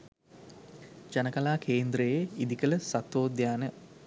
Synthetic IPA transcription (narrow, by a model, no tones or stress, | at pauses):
d͡ʒanəkalaːkʰeːnd̪ɾəjeid̪ikələsat̪ʋoːd̪jaːnə